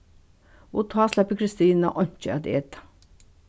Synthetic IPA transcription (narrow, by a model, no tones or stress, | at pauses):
ot̪ʰɑːslɑpəkʰɾɪst̪iːna̰ʔɔɲ̥t͡ʃəɑd̪eːt̪ḁ